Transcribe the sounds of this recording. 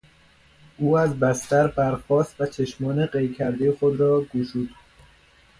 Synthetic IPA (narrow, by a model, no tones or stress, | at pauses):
ʔuːæzbæst̪æɾbæɾxɒːst̪væt͡ʃʰeʃmɒːneɢejcʲʰæɾd̪ejexod̪ɾɒːɡuːʃuːd̪